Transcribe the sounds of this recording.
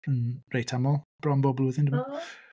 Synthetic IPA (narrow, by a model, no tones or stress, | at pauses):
ənrejtʰamɔlˠb̥rɔmbɔblʊːðɪndɪmɔ